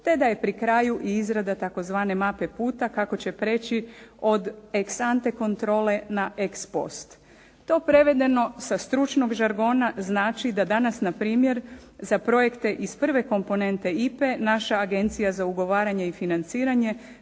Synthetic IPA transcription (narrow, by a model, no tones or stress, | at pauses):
t̪e̞d̪aje̞pɾikɾaːjuʔiizɾad̪at̪ako̞zʋaːne̞mape̞puːt̪akako̞t͡ɕe̞pɾe̞ːt͡ɕio̞d̪eksant̪e̞ko̞nt̪ɾo̞ːle̞naʔekspo̞̰st̪ | t̪o̞ːpɾe̞ʋe̞d̪e̞no̞sast̪ɾut͡ʃno̞ɡʒaɾɡo̞ːnaznaːt͡ʃid̪ad̪anasnapɾiːmje̞ɾzapɾo̞je̞kt̪e̞ʔispr̩ʋe̞ko̞mpo̞ne̞nt̪e̞ipe̞naʃaːɡe̞nt̪sijazauɡo̞ʋaːɾaɲe̞ifinant̪siːɾaɲe̞